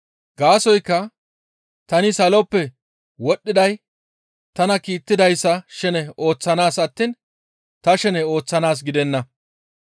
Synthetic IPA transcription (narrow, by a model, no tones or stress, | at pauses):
ɡ̥aːsɔjkːɐ | t̪ɐnɪsɐlɔpːɛ | wɔɗːɪd̪ɐj | t̪ɐnɐkiːt̪ːɪd̪ɐjsːɐʃɛnɛo̞ːt͡sːɐnaːsɐt̪ːiːn | t̪ɐʃɛnɛo̞ːt͡sːɐnaːs̬ɡɪd̪ɛnːɐ